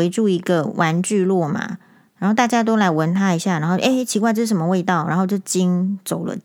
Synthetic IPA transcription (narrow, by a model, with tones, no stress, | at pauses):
e˧˥ɪʈ͡ʂu˥˩i˧˥ɡə˨wʔa˧˦nt͡ɕy˥˧lwɔ˥˩ma̰˩ | a˧nxo˥˩ʊt̪a˥˩t͡ɕja˥t̪̬o˥ʊla˧˥ɪwə˧˥nt̪ʰa˥i˧˥ɕja˥˩na˧˥nxo˥˧˩ʔe˥˩t͡ɕʰi˧˥kwa˥ɪʈ͡ʂɤ˥˩ʂ̩˥˩ʂə˩mə˧˦we˥˧ɪt̪ɑ˥˩ʊna˧˥nxo˥˧ʊt͡ɕjo˥˩ʊt͡ɕi˦nt͡so˨˩ʊlə̰˨˦